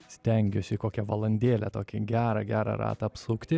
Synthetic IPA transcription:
sʲt̪ʲɛŋʲɡʲʊsʲɪkoːkʲɛʋɐlˠɐnʲd̪ʲeːlʲɛt̪oːkʲɪɡʲæːɾɐɡʲæːɾɑ̰ɾɑ̰ːt̪ɐɐpsʊkt̪ʲɪ

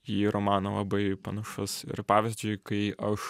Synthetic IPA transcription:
jiːɾomɑːnɐlˠɐ̰bɐɪpɐnɐʃʊsɪ̰ɾpɑːʋʲɪzʲd͡ʒʲʊɪkɐɪʔɐʃ

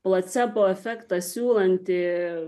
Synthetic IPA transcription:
plˠɐsʲɛpoːɛfʲɛkt̪ɐsʲuːlˠɐnʲt̪ʲɪ

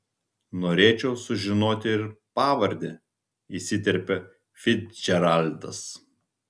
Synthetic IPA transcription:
noːɾʲeːt͡ʃʲɛʊsʊʒʲɪnoːt̪ʲɪɪɾpɑːʋɐɾʲd̪ʲe | isʲɪt̪ʲɛɾʲpʲɛ | fʲɪt̪d͡ʒʲɛɾalʲd̪ɐ̰s

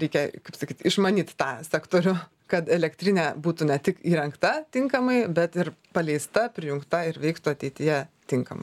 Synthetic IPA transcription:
ɾʲɛɪkʲɛkɐɪpsɐkʲiːt̪ɪʃmɐnʲiːt̪ʲt̪ɑːsʲæːkt̪oːɾʲʊ | kɐt̪ɛlʲɛkt̪ʲɾʲɪnʲɛːbuːt̪ʊnʲɛt̪ʲɪkiːɾʲɛŋkt̪ɐt̪ʲɪŋkɐmɐɪbʲɛt̪ɪɾpɐlʲɛɪst̪ɐpʲɾʲɪjʊŋkt̪ɐɪɾʋʲɛɪkt̪ʊɐt̪ʲɛɪt̪ʲɪjɛt̪ʲɪŋkɐmɐɪ

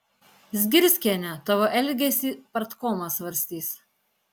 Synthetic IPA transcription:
zʲɡʲɪɾʲsʲkʲiɛnʲɛt̪ɐʋoʔɛlʲɡʲɛsʲiːpɐɾt̪koːmɐsʋɐɾʲsʲt̪ʲiːs

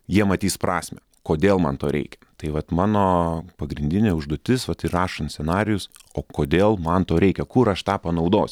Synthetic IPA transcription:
jiɛmɐt̪ʲiːspɾʔɑːsʲmʲɛ | koːd̪ʲeːlˠmɐ̰nt̪oːɾʲʔɛ̰ɪkʲɛt̪ɐɪʋɐt̪mɑːnoːpɐɡɾʲɪnʲd̪ʲɪnʲeːʊʒd̪uɔt̪ʲɪsʋɐt̪ɪrɑːʃɐnt̪sʲɛnɑːɾʲɪjʊs | oːkoːd̪ʲeːlˠmɐnt̪oːɾʲɛɪkʲɛkʊɾɐʃt̪ɑːpɐnɐʊd̪oːsʲ

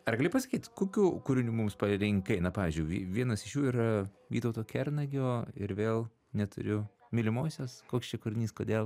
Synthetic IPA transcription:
ɐɾɡɐlʲʊpɐsɐkʲiːt̪koːkʲuːkʊɾʲɪnʲuːmʊmspɐɾʲɪŋkkɐɪnɐpɑːʋʲiːzʲd͡ʒʲʊɪʋʲʋʲiɛnɐsɪʃjuːiːɾɐʋʲiːt̪ɐʊt̪oːkʲɛrnɐɡʲoːɪ̰ɾʋʲeːlˠ | nʲɛt̪ʊ̰ɾʲʊ | mʲɪlʲɪmoːsʲoːskoːkst͡ʃʲɛkʊɾʲɪnʲiːskoːd̪ʲeːlˠ

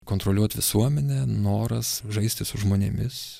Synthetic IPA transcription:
koːnt̪ɾolʲuɔt̪ʲʋʲɪ̰suɔmʲɛnʲɛnoːɾɐsʒɐɪsʲt̪ʲɪsʊʒmoːnʲemʲɪs

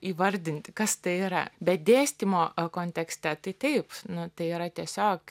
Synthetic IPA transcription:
iːʋɐɾʲd̪ʲɪnʲt̪ʲkɐst̪ɐɪiːɾɐ̰bʲɛt̪̚d̪ʲeːsʲt̪ʲimoːkoːnʲt̪ʲɛksʲt̪ʲɛt̪ɐɪt̪ɐɪpnʊt̪ɐɪiːɾɐt̪ʲiɛsʲoːk

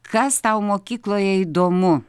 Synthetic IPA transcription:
kʰɐst̪awmokʲiklˠojɛid̪omu

